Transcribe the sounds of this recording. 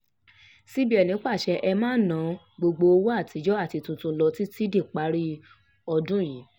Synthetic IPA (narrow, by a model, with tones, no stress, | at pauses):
si˦bi˦ɛ˨nĩ˨˦k͡pa˦˨ʃɛ˧ʔɛ˧mãː˦˨nã˨˦ | ɡ͡bo˧ɡ͡bo˧o˧wo˦a˦˨tʰi˨˧˦d͡ʒɔ˦a˦˨ti˨˧tũ˨tũ˧lɔ˧ti˦ti˦de˦˨k͡pa˨˦ɾi˦ | ɔ˧dũ˦˨jĩ˨˦